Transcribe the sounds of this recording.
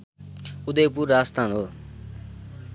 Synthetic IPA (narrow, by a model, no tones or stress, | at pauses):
ud̪ʌjpuɾast̪ʰanɦo